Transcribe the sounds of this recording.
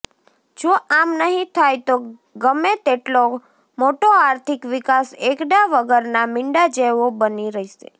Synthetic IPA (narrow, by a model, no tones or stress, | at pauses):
d͡ʒoamnəɦĩt̪ʰajt̪o | ɡəmet̪eʈlo | moʈoaɾt̪ʰikʋikasekɖaʋəɡəɾnamɪɳɖad͡ʒeʋobəniɾəɦiʃḛ